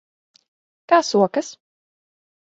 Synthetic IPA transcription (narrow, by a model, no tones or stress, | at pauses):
kaːsuɔkɐs